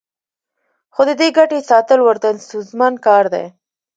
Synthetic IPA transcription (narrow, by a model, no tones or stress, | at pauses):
xod̪əd̪eɡaʈesɑt̪əlwəɾt̪ansuzmɑnkɑɾd̪ḛ